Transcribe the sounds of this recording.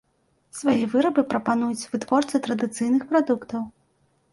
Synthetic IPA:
svajivɨɾɐbɨpɾɐpanujut͡sʲvɨt̪vɔrt̪sɨt̪ɾɐd̪ɨt̪sɨjnɨxpɾad̪ukt̪ɐw

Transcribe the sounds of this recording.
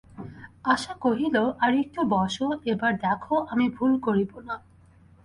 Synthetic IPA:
aʃakoɦiloʔaɾek̚ʈubɔʃoebaɹd̪ɛkʰoʔamibʱulkoɾibona

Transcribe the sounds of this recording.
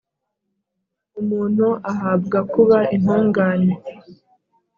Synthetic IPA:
umuːn̥uʔaɦab̚ɡakuβaʔinhuːŋɡaːne

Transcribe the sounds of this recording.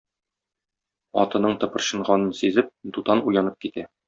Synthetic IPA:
ɒ̰t̪ɤ̆nɤɴt̪ɤ̆pɤ̆ɾɕɤ̆ɴʁɑnɤnsizɘp̚d̪ut̪ɑnujɑnɤp̚kit̪æ

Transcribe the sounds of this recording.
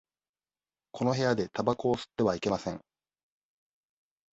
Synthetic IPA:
kʰo̞no̞ɦe̞jad̪e̞t̪abako̞ːsɨ̥t̪ːe̞βaike̞masẽ̞ŋ

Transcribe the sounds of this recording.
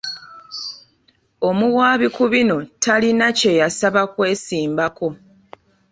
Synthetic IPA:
o̞muwaːβikuβino̞tʰalinace̞jasaβakwe̞ːsiːmbako̞

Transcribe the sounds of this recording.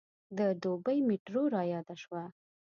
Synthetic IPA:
d̪əd̪obəjmiʈɾoɾɑjɑd̪aʃwa

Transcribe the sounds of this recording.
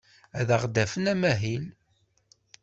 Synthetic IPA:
æðəʁd̪æfənæmæɦil

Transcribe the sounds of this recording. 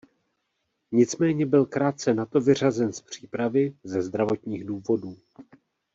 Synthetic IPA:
ɲɪt͡smɛːɲɛbɪlkɾaːt̪̚t͡sɛnat̪o̞vɪr̝azɛnspr̝̥iːpɾavɪzɛzd̪ɾavo̞t̪ɲiːɣduːvo̞duː

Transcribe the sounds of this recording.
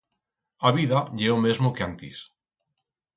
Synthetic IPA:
aβ̞iðaʎeomezmokeant̪ḭs

